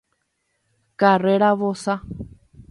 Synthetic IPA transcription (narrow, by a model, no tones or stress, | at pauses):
kareɾaʋosa